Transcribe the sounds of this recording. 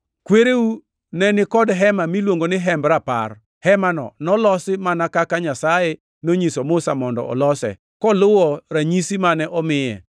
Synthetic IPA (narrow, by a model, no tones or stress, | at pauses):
kweɾeu | nɛnɪkɔdɦɛmamilwoŋɡonɪɦɛmbɾapa̰r | hɛmanɔ̰nɔlɔsɪmanakakaɲasajɛ | noɲisomʊsamɔndɔ̰ɔ̰lɔsɛ̰ | kɔlʊwɔɾaɲisimanɛʔɔmɪjɛ̰